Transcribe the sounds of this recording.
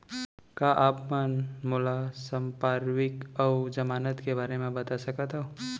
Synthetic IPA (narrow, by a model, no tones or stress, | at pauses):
kaʔaːpmənmʊlasə̃mpaːɾwɪkɔːd͡ʒɐmaːnət̪kebaːɾemẽbɐt̪asəkət̪ɦɛ